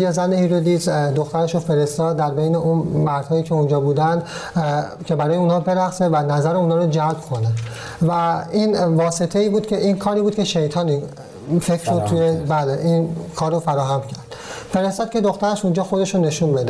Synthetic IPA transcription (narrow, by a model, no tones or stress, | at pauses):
jezænehiːɾod̪iːzd̪o̞xt̪æɾeʃofe̞ɾe̞st̪ɒːd̪ːæɾbejneʔunmæɾd̪̥hɒːjiːcʲʰeund͡ʒɒːbuːd̪ænd̪ | cʲʰe̞bæɾɒːjeunhɒːbe̞ɾæxsevænæzæɾeunhɒːɾod͡ʒælb̥kʰo̞ne | væinvɒːse̞t̪ʰe̞iːbuːd̪̥cʰe̞ʔiːnkʰɒːɾiːbuːd̪̥̚cʲʰe̞ʃejt̪ʰɒːni | fekɾʃod̪̚t̪ʰːujebæːleʔinkʰɒːɾrːofæɾɒːɦæmcʰæɾd̪̥fe̞ɾest̪ɒːd̪̚cʰe̞d̪o̞xt̪æɾeʃund͡ʒɒːxod̪e̞ʃone̞ʃunbe̞d̪e